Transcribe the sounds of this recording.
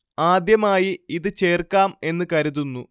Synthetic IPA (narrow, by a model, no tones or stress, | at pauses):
aːd̪jɐmaːjiiðɨt͡ɕe̞ːrkaːme̞nːɨkɐɾuðunːu